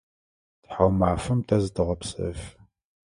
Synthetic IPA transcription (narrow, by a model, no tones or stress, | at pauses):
tħawmaːfɨmtʰɐzɨtʰɨʁɐpsɐ̰f